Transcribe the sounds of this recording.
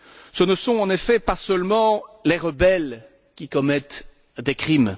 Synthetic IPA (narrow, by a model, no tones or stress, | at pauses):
sənəsɔ̃ɑ̃nefɛpasəlmɑ̃leʁəbɛl | kʲikɔmɛt̪ | d̪ekχim